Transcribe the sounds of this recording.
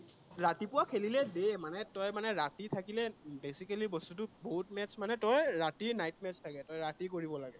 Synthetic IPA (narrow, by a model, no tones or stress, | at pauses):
ɹatipʊwakʰelilɛdemanɛtɔjmanɛɹatitʰakilɛbesikalibɔstutʊboɦutmɛtsmanɛtɔjɹatinajtmɛstʰakɛtɔjɹatikoɹibɔlaɡɛ